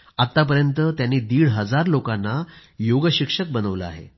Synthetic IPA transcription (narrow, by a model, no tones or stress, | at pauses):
at̪ːap̬əɾjənt̪ət̪janːiːd̪iːɭɦəd͡zaɾlokanːajoɡəɕikʂək̚bənəʋləa̰ɦḛ